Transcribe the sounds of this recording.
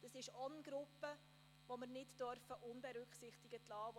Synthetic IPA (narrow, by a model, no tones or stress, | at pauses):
d̥ɑsɪʃɔnɡɾʊpːə | voməɾnɪtd̥œɾfəʔʊnbɛɾʏkχsɪχtɪɡətlɑːʋ